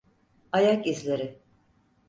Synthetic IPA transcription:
ajakizlʲeɾɪ

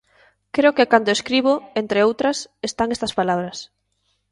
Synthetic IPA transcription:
kɾeokekand̪oeskɾiβ̞oent̪ɾeowt̪ɾɐsest̪aŋest̪ɐspalaβɾɐs

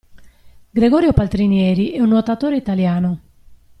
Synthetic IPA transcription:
ɡɾeɡɔːɾjopalt̪ɾinjɛːɾiʔɛunːot̪at̪oːɾeit̪aljaːno

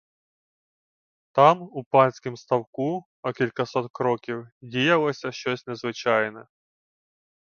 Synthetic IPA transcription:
t̪amupanʲsʲkʲɪmst̪ɐwku | ɐkʲilʲkɐsɔt̪kɾɔkʲiwdʲijɐlˠɔsʲɐɕːosʲtʲnʲɛzvɪt͡ɕajnɐ

